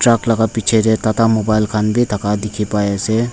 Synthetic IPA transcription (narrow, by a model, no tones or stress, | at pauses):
ʈɾaːkləɡapit͡ʃʰeɾet̪at̪amobaːɪlkʰanbʱit̪ʰɐkad̪ɪkʰipaese